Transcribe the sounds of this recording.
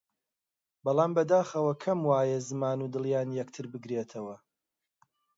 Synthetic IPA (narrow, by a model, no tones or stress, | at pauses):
bɑlˠaːmbɐd̪aːxɐwɐkʰɐmwaːjezɨmaːnud̪ɨlˠjaːnjɛkt̪ʰɨɾbɨɡɾeːt̪ʰɐwɐ